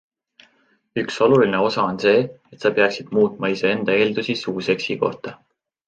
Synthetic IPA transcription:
ykso̞luline̞o̞sɑonse̞ːe̞t̪sɑpeɑksid̪̥muːt̪̚ˑmɑisee̞nd̪̥ɑe̞ːld̪usisuːse̞ksiko̞̰ht̪ɑ

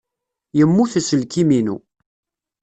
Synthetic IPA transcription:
jəmːuθæsəlkiminṵ

